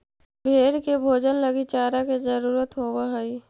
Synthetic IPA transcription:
bʱeːɽkebʱoːd͡ʒənləɡit͡ʃaːɾaked͡ʒəɾuːɾət̪ɦowaɦəi

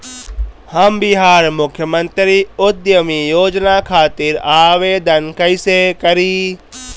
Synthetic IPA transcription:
hɐmbiɦaːɾmʊkʰjəmə̃nt̪ɾiʊd̪jəmijoːd͡ʒnakʰaːt̪ɪɾaːʋeːd̪ənkɐjsekɐɾiː

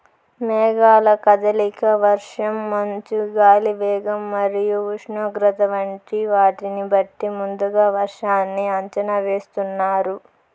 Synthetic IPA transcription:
mɛːɡaːlɐkɐd̪ɐlikɐʋɐɾʂɐmːɐɲt͡ʃuɡaːliʋɛːɡɐmːɐɾijuuʂɳoːɡɾɐt̪ɐʋɐɳʈiʋaːʈinibɐʈːimund̪uɡaːʋɐɾʂaːnːiɐɲt͡ʃɐnɐʋe̞ːst̪unːaːɾu

